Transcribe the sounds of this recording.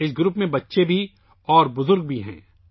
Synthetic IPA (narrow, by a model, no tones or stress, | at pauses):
ɪs̬ɡɾʊpmẽbɐtːʃebʱi | ɔːɾbʊzʊɾɡ̚bʱiɦɛ̰̃ː